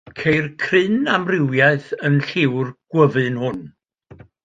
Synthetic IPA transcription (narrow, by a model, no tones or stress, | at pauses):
kʰejrkʰrɨnamrɪwjaɨθənɬɪwrɡ̥wəvɨnhʊn